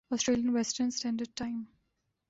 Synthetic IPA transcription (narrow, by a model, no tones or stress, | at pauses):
ɔsʈɾeːljə̃nʋɛsʈəɾnsʈɛ̃ːnɖəɖ̚ʈãɪ̃m